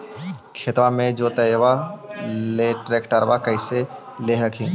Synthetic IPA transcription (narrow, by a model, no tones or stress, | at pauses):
kʰet̪ʋamẽd͡ʒoːt̪əʋa | leʈɾeːkʈəɾʋakəɪse | leɦəkʰĩː